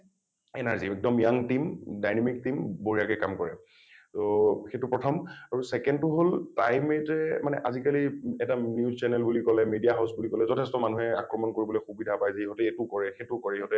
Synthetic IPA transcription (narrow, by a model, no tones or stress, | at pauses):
ɛ̰naɹziɛk̚dɔmjaŋtimdajnɛmik̚timboɹijakɛkamkɔɹɛ̰ | toxetʊpɹɔtʰɔmaɹusɛkɛndtʊɦolta̰jmɛtɛmanɛ̰ʔazikaliɛtanjuzt͡ʃɛnɛlbulikɔlɛmedijaɦaʊsbulikɔlɛzɔtʰɛstɔmanuɦɛa̰kɹɔmɔnkoɹibɔlojxubidʱapajzaiɦɔtɛetʊkɔɹɛxetʊkɔɹɛiɦɔtɛ